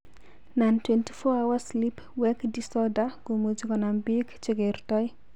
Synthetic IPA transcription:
nantwɛnti̥fɔawaslip | wɛkdisɔdaɡomud͡ʒkɔnambikt͡ʃiɡertɔj

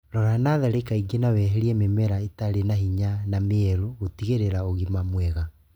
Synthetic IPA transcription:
ɾɔɾanaðɛɾekaiɡenawɛɦɛɾiɛmemɛɾaetaɾenaɦiɲanameɛɾoɣotiɣeɾeɾaoɣimamwɛɣa

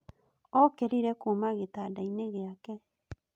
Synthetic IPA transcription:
okeɾiɾekumaɣit̪adajneɣeake

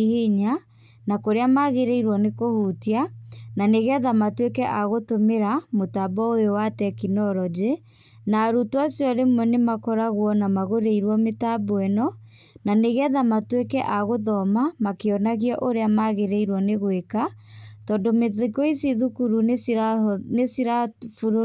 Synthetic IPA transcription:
heɲa | nakoɾeamaɣeɾɛiɾwɔnekohutiananeɣeɛðamatwekɛʔaɣotomeɾamotabɔojowatɛkinɔɾɔd͡ʑe | naɾutwasjɔɾemwɛnemakɔɾaɣwɔnamaɣoɾeiɾwɔmetabɔɛnɔ | naneɣeɛðamatwekɛʔaɣoðɔmamakeɔnaɣiɔʔoɾeamaɣeɾɛiɾwɔneɣwekatɔndomeekoisiðukuɾu | nesiɾafuɾ

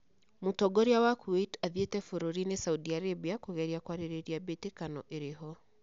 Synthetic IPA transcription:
motɔɡɔɾiawakʰuetaðjetɛfoɾoɾinesauðiaɾebiakoɣɛɾiakwaɾeɾeɾiabetekanɔʔeɾeɦɔ

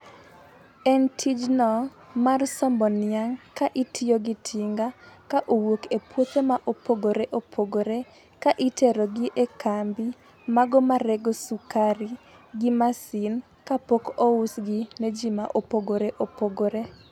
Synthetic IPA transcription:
ɛntʰid͡ʒnɔ | marsɔmbɔnɪaŋkaʔitʰɪjoɡɪtʰiŋɡakaʔowokepwot̪emaʔopoɡoɾeʔopʰoɡoɾe | kaʔitʰɛɾɔɡiʔekambi | maɡɔmaɾɛɡɔsukaɾi | ɡɪmasɪn | kapokousɡined͡ʒimaʔopoɡoɾeʔopoɡoɾe

